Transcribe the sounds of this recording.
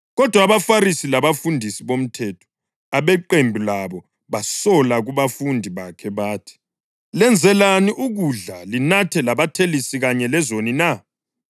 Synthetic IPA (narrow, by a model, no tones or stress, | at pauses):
ɣɔd̥ʱwaβafaɾisilaβafundʱisiβom̩tʰɛtʰɔ̥ | aβɛǃembʱilaβɔ | βasɔlaɣuβafundʱiβakʰɛβaːtʰi̥ | lɛnd͡zʱɛlaniʔuɣuɮalinatʰɛlaβatʰelisiɣaɲɛlɛzonina